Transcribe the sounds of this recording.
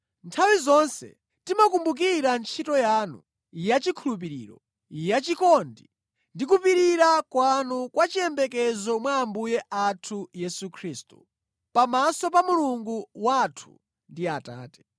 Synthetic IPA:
ntʰawizɔnsɛ̰ | timak̬umbuk̬iɾant͡ʃʰitɔjaːnṵ | jat͡ʃikʰulup̬iɾḭːɾɔ̰ | jat͡ʃikɔndi | ndikupiɾiɾakwanukwat͡ʃiɛmbɛkɛzɔmwaːmbujɛʔatʰujɛsukʰɾiːstu̥ | pamasɔpamuluŋɡuwatʰu̥ | ndiata̰ːtɛ̥

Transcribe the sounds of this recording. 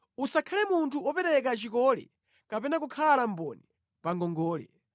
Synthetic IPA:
usakʰalɛmuntʰuɔpɛɾɛk̬at͡ʃikɔːlɛ̰ | kapɛnak̬ukʰalam̩bɔni | paŋɡɔŋɡɔːlɛ̰

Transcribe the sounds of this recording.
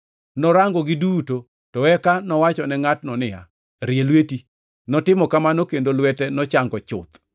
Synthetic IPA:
nɔɾaŋɡɔɡɪduto | tɔwɛkanɔwat͡ʃɔnɛŋatnɔnɪa̰ | ɾjelweti | nɔtɪmɔkamanokendolwɛtɛnɔt͡ʃaŋɡɔt͡ʃʊ̰t̪

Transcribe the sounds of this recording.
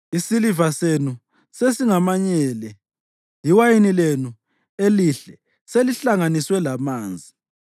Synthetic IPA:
isilivasenu | sesiŋamaɲɛːlɛ | liwajinilenu | eliɬɛ | seliɬaŋaniswɛlamaːnd͡zʱi

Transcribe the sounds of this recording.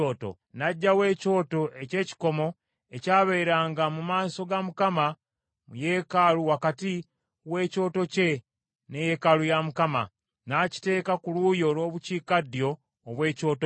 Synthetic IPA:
oːto̰ | naɟːawe̞ːco̞ːto̞ʔe̞ce̞ːci̥ko̞mo̞ | ecaːβeiɾaːŋɡamumaːso̞ɡamukama | mujekaluwakati | we̞ːco̞ːto̞ce̞ | neje̞kalujamukama | naci̥te̞ːkakulujo̞lo̞ːβuciːkadjo̞ː | βwe̞ːco̞ːto

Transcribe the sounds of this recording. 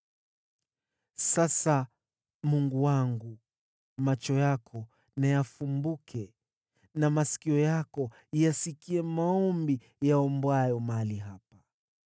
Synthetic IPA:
sasa | muŋɡuwaŋɡu | mat͡ʃɔjakʰɔ | najafumbukʰɛ | namasi̥kiɔjakɔ | jasikiɛmaɔmbi | jaɔmbwajɔmaliɦapa

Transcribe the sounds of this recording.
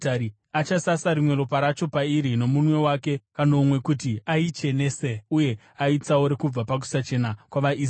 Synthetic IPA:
aɾi | at͡ʃasasaɾimwe̞ɾo̞paɾat͡ʃo̞paiɾino̞munwe̞wake̞kanoːmwe̞kutiait͡ʃe̞neseuje̞ | ait͡saoɾe̞kub͡vapak̬u̥sat͡ʃe̞nakwaʋai

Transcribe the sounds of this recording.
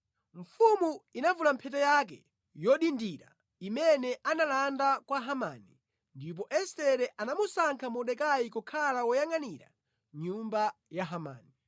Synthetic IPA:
ɱfumuinavulampʰɛt̬ɛjak̬ɛ̰ | jɔɗindiɾa̰ | imɛnɛʔanalandakwaɦama̰ni | ndip̬ɔʔɛstɛɾɛʔanamusaŋkʰamɔɗɛkajikukʰalawɔjaŋaniɾa̰ | ɲumbajaɦama̰ːni

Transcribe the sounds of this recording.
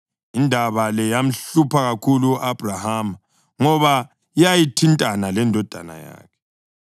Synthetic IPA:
indʱaβalɛjam̩ɬupʰaɣakʰuluuʔab̥ʱraham | ŋɔβa | ijajitʰintʼanalɛndʱɔd̥ʱa̰na̰ja̰ːkʰɛ̥

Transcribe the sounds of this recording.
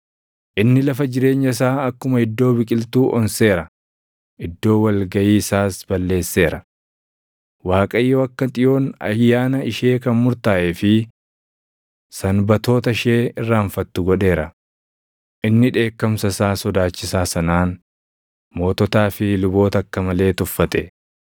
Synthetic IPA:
ʔɪnːɪlɐfɐd͡ʒɪɾe̞ːɲːɐs̬aːɐkːʊmɐɪd̪ːo̞ːbɪkʼɪlt̪uːʔɔnse̞ːɾɐ | ʔɪd̪ːo̞ːwɐlɡɐjiːsaːsbɐlːe̞ːsːe̞ːɾɐ | waːkʼɐjːoːɐkːɐt̪ʼɪjo̞ːnɐ̰jːaːnɐɪʃe̞ːkɐnmʊɾt̪aːʔeːfɪ | sɐnbɐt̪o̞ːt̪ɐɪʃeːɪrːaːɱfɐt̪ːʊɡɔᶑe̞ːɾɐ | ʔɪnːɪᶑe̞ːkːɐmsɐsaːsɔd̪aːt͡ʃːɪsaːsɐnaːn | mo̞ːt̪ɔt̪aːfɪlʊbo̞ːt̪ɐɐkːɐmɐle̞ːt̪ʊfːɐt̪ʼɛ

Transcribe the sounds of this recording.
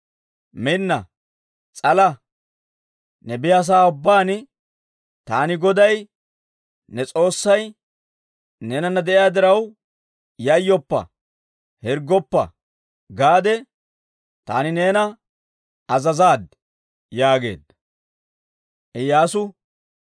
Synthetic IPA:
mɪnːɐ | t͡sʼɐlɐ | nɛbɪjɐːs̬aːʊbːaːnɪ | t̪aːnɪɡɔd̪ɐj | nɛt͡sʼo̞ːsːɐj | neːnɐnːɐd̪ɛʔɪjaːd̪ɪɾɐw | jɐjːɔpːɐ̰ | hɛɾɡɔpːɐ̰ | ɡaːd̪ɛ | t̪a̰ːnɪne̞ːnɐ | ɐzɐzaːd̪ | jaːɡe̞̰ːd̪ɐ | ʔɛjaːsʊ

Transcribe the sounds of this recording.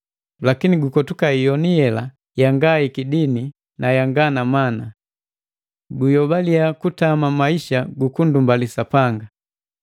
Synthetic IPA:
lakiniɡukɔtukaijɔniɛla | jaŋɡaikidini | najaŋɡanamana | ɡujɔbaliakutamamaiʃaɡukundumbalisapaŋɡa

